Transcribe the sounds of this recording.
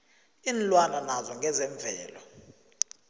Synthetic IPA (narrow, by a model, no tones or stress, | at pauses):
inlwananazɔŋɡʱɛzɛɱvʱɛːlɔ